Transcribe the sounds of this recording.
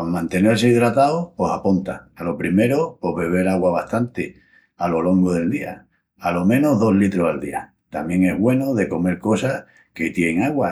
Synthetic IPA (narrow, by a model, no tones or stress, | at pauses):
mãnt̪e̞ne̞ɾseiðɾat̪aopo̞sapont̪a̰ːlo̞pɾime̞ɾopo̞ɦβe̞β̞e̞ɾaɣwaβaht̪ant̪e | alo̞lo̞ŋɡoð̞e̞ld̪ia̰ | alo̞mẽ̞noɦðo̞ɦlit̪ɾosald̪ia̰ | t̪amje̞ŋe̞ɦβwe̞noðe̞ko̞me̞ɾko̞sah | ket̪je̞ŋaɣwa